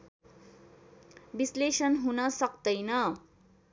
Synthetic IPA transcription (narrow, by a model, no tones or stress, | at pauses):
bislesʌnɦunʌsʌkd̪ʌjnʌ